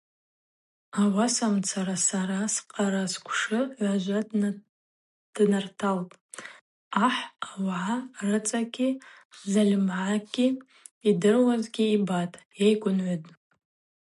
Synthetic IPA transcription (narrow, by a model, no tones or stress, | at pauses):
awasamt͡sʰaɾasaɾasqʼaɾaskʷʰʂɨʕʷaʒʷa | d̥nartʰalpʼ | aħawʕarɨt͡sʼaɡʲi | zalʲmʕaɡʲi | idɨrwazɡʲiibatʼ | ejkʷʼʊnʕʷadʼ